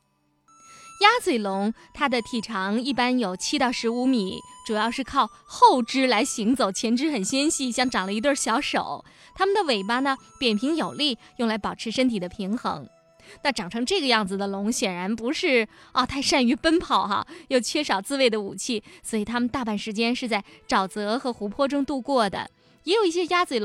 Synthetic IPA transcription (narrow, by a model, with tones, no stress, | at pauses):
ja˥swe˨˩ɪlʊ˧˥ŋt̪ʰa˥d̪ə˨t̪ʰi˨˩ʈ͡ʂʰɑ˧˥ŋi˥˩pa˥njo˨˩ʊt͡ɕʰi˥t̪ɑ˥˩ʊʂɻ̩˧˥u˧˥mi˨˩˦ʈ͡ʂu˨˩jɑ˥˧ʊʂɻ̩˥˧kʰɑ˥˧ʊxo˥˩ʊʈ͡ʂɻ̩˥la˧˥ɪɕi˧˥ŋt͡so˨˩ʊt͡ɕʰjɛ˧˥nʈ͡ʂɻ̩˥xə˨˩nɕjɛ˥nɕi˥˩ɕjɑ˥˩ŋʈ͡ʂɑ˨˩ŋlə˦i˧˥t̪wə˥˩ɕjɑ˧˥ʊʂo̰˨˩˦ʊ | t̪ʰa˥mə˨nd̪ə˩we˨˩ɪpa˥nə˨pjɛ˨˩npʰi˧˥ŋjo˨˩ʊli˥˩jʊ˥˩ŋla˧˥ɪpɑ˨˩ʊʈ͡ʂʰɻ̩˧˥ʂə˥nt̪ʰi˨˩d̪ə˦pʰi˧˥ŋxɤ̰˧˥ŋ | na˥˩ʈ͡ʂɑ˨˩ŋʈ͡ʂʰɤ˧˥ŋʈ͡ʂɤ˥˩ɡə˩jɑ˥˩ŋd͡zɹ̩˩d̪ə˩lʊ˧˥ŋɕjɛ˨˩nɻa˧˥npu˧˥ʂɻ̩˥˩ɔ˥˧˩t̪ʰa˥˧ɪʂa˥˩ny˧˥pə˥npʰɑ˨˩˦ʊxa̰˧jo˥˧ʊt͡ɕʰɥɛ˥˧ʂɑ˨˩ʊt͡sɹ̩˥˧we˥˩ɪd̪ə˩u˨˩t͡ɕʰi˥˩swɔ˧˥i˨˩t̪ʰa˥mə˨nt̪a˥˧pa˥˩nʂɻ̩˧˥t͡ɕjɛ˥nʂɻ̩˥˧t͡sa˥˩ɪʈ͡ʂɑ˨˩ʊt͡sɤ˧˥xɤ˧˥xu˧˥pʰwɔ˥ʈ͡ʂʊ˥ŋt̪u˥˧kwɔ˥˩d̪ə̰˩ | jɛ˧˥jo˨˩ʊi˥˩ɕjɛ˥ja˥t͡swe˨˩